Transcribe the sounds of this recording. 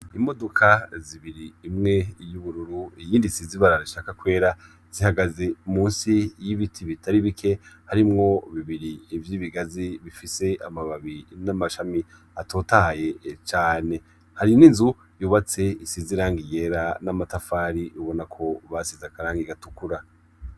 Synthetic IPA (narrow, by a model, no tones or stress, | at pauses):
imo̞do̞kʰaziβiɾiːmŋe̞juβuɾuɾuijiːndisiziβaɾaɾiʃakakwe̞ːɾa | z̥ihaɡaze̞umuːnsijiβitʰiβitʰaɾiβikʰe̞haɾimŋo̞βiβiɾiːvjiβiɡaziβifise̞ʔamaβaβiinamaʃami | atʰo̞ːtahaje̞t͡ʃaːne̞ | haɾininzu | juːβat͡se̞isiziɾaːŋɡije̞ɾanamatafaːɾiʔuβo̞nakʰo̞βasizakaɾaːŋɡiɡatukuɾa